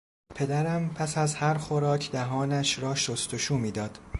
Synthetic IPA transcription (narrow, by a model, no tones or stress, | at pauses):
pʰe̞d̪æɾæmpʰæsæzhæɾxoɾɒːcʰd̪æɦɒːnæʃɾɒːʃost̪oʃuːmiːd̪ɒːd̪̥